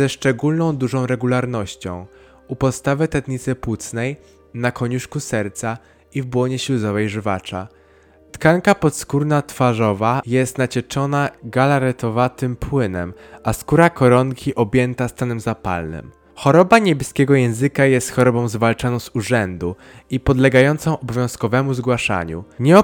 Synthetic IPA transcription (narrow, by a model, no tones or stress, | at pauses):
ɛʂt͡ʂɛɡulnɔ̃w̃d̪uʐɔ̃w̃ɾɛɡulaɾnɔɕt͡ɕɔ̰̃w̃ | upɔt̪st̪avɛt̪ɛt̪ɲit̪sɘpwut̪snɛj | nakɔɲuʂkusɛɾt̪sa | ivbwɔɲɛɕluzɔvɛjʐɘvat͡ʂa̰ | t̪kaŋkapɔt̪skuɾnat̪faʐɔvajɛst̪nat͡ɕɛt͡ʂɔnaɡalaɾɛt̪ɔvat̪ɘmpwɘnɛ̰maskuɾakɔɾɔŋkʲiʔɔbʲjɛnt̪ast̪anɛmzapa̰lnɘ̰m | xɔɾɔbaɲɛbʲɛskʲɛɡɔjɛ̃w̃zɘkajɛst̪xɔɾɔbɔ̃w̃zvalt͡ʂanɔ̃w̃zuʐɛnd̪u | ipɔd̪lɛɡajɔnt̪sɔ̃w̃ʔɔbɔvʲjɔ̃w̃skɔvɛmuzɡwaʂa̰ɲṵɲɛɔ